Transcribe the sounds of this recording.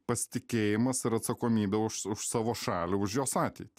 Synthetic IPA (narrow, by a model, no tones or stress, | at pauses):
pɐsʲɪ̥t̪ʲɪkʲeːjɪmɐsɪɾɐt̪sɐkoːmʲiːbʲɛʊʃʊʃsɑːʋoːʃɑːlʲuʊʃjoːsɑːt̪ʲɛɪt̪ʲɪ